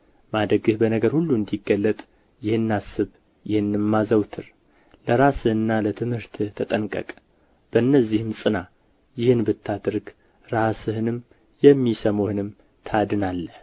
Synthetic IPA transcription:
mad̪ɾəɡɨhbənəɡəɾhulːuɨnd̪iɡːəlːət̪ʼ | jɪhɨnːasɨβ | jɪhɨnːɨmːazəwt̪ʰɨr | ləɾasɨhɨnːalət̪ʰɨmhɨɾt̪ʰɨht̪ʰət̪ʼənkʼə̰kʼ | b̥əɨnːəzːihɨmsʼɨna | jɪhɨnbɨt̪ʰːad̪ɨɾɡ | ɾasɨhɨnɨm | jɛmːisəmohɨnɨm | t̪ʰad̪ɨnalːəh

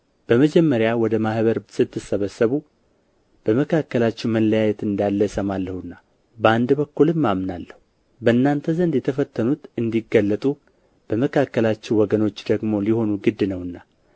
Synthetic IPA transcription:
b̥əməd͡ʒɛmːəɾjawɔd̪əmahβəɾsɨt̪ʰːɨsəβəsːəβu | b̥əməkʰakːəlat͡ʃːɛwməlːəjajɛt̪ɨnd̪alːəsəmalːəhɨnːa | bəand̪bəkːulɨmːamnalːəhu | bəɨnːant̪ʰəzənd̪jɛt̪ʰəfət̪ʰːənut̪ɨnd̪iɡːəlːət̪ʼu | b̥əməkʰakːəlat͡ʃːɛwwɔɡəno̞t͡ʃːd̪əɡmo̞liho̞nuɡɨd̪ːɨnəwɨnːa

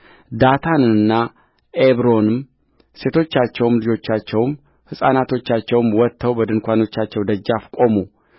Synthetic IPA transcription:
d̪at̪ʰanɨnːa | ʔeβɾo̞nɨm | se̞t̪ʰo̞t͡ʃːat͡ʃːɛwmlɨd͡ʒo̞t͡ʃːat͡ʃːɛwm | hɨsʼanat̪ʰo̞t͡ʃːat͡ʃːɛwɨmwɔt̪ʰːəwbəd̪ɨnkʷano̞t͡ʃːat͡ʃːɛwd̪əd͡ʒːafkʼo̞mu

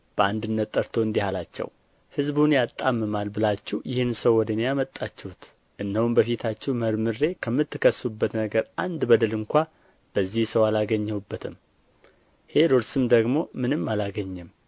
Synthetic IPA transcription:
b̥əand̪ɨnːət̪ʼːəɾt̪ʰo̞ɨnd̪ihalat͡ʃːɛ̰w | hɨzbunjat̪ʼːamːɨmalbɨlat͡ʃːɪhjɪhɨnsəwːɔd̪ənjamət̪ʼːat͡ʃːɛhut̪ | ʔɨnːəhwumbəfit̪ʰat͡ʃːɛhməɾmɨɾe̞kʰəmːɨt̪ːɨkʰəsːubːət̪nəɡəɾʔand̪bəd̪əlɨŋkʷa | b̥əzːihsəwalaɡəɲːəwubːət̪ʰɨm | he̞d̪oɾsɨmd̪əɡmo̞mɨnɨmːalaɡəɲːɨm

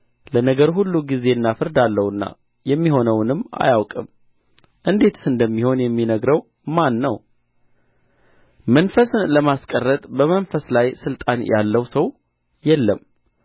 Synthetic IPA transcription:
lənəɡəɾhulːuɡize̞ɨnːafɨɾd̪alːəwɨnːa̰ | jɛmːiho̞nəwnɨmːa̰jawkʼɨm | ʔɨnd̪e̞t̪sɨnd̪əmːiho̞njɛmːinəɡɾəw | manːəw | mənfəsɨnləmaskʼərːət̪ʼbəmənfəslajsɨlt̪ʼanjalːəwsəw | jɛlːəm

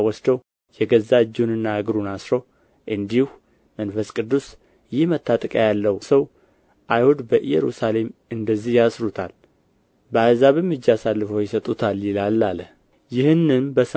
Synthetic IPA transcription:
wɔsd̪əw | jɛɡəzːad͡ʒːunɨnːaaɡɾunasɾo | ʔɨnd̪ihu | mənfəskʼɨd̪ːus | jɪhmət̪ʰːat̪ʼəkʼjalːəwsəw | ʔajhud̪bəʔɨjɛ̰ɾṵsale̞mɨnd̪əzːihjasɾut̪ʰal | bəazaβɨmːɨd͡ʒːasalːɨfəwjɪsət̪ʼut̪ʰaljɪlalːalə | jɪhɨnːɨnbəs

